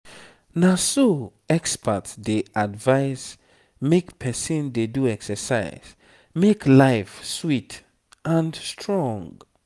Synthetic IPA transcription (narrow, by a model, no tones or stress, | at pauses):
naso | ɛkspətdeʔadvaɪs | mekpʰɛsɔ̃ndeduɛksəsa̰ɪz̥ | meklaɪfswit | ãnstʰɹɔ̃ŋɡ